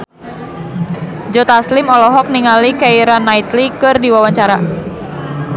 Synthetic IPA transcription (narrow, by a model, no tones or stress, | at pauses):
d͡ʒɔt̪aslɪmɔlɔɦɔk̚niŋalikaiɾanːait̪likɨrdiwawaɲt͡ʃaɾa